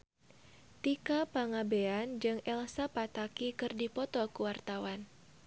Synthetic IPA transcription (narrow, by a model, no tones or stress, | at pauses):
t̪ikapaŋabeand͡ʒɨŋɛlsapat̪akikɨrdipɔt̪ɔkuwart̪awan